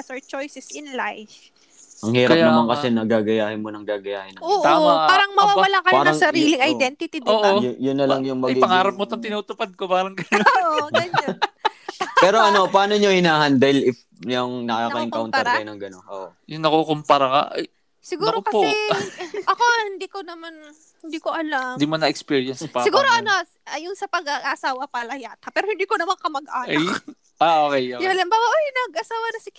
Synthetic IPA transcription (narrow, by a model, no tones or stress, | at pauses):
soɹt͡ʃojsɛsɪnlajf | ɐŋhiːɾɐjpnɐmaŋkɐsɛnɐɡaːɡɐjaːhɪnmonɐŋɡaːɡɐjaːhɪnɐoːʔ̪opaːɾɐŋmɐwaːwɐlakɐjaːnɾɐŋsɐɾiːlɪŋɐjd̪ɛnt̪ɪt̪id̪oːʔjjʊnːɐlɐŋjʊŋmɐɡiɐŋaːɾɐp̚mot̪ɐnt̪ɪnuːt̪ʊpad̪̚kobaːɾɐŋɡɐnooɐɲɐ | pɛːɾo̞ʔɐno̞pɐaːnoɲohɪnaːɦɐnd̪aːhɪlʔɪf | jɐŋnɐkɐakɐʔɪŋkaʊntɐjnɐŋɡɐnonʔo̰ʔjʊnːɐkokompaɾɐkɐ̰ʔɐ̰j | sɪɡuːɾokɐpɛʔɐkohɪnd̪iːkonɐman | hɪnd̪iːkoʔɐland̪iːmonɐɛkspiːɹjɐnspasɪɡuːɾoʔɐno | ʔɐjʊnsɐpɐɡɐɡaʔɐsaːwɐpɐlɐhjat̪̚ɐpɛːɾohɪnd̪iːkonɐmaŋkɐmɐɡ̚ʔaːnj | ʔaoːkɛjɐɐlɐmbaːwɐʔajnɐɡɐsaːwɐnɐsɪk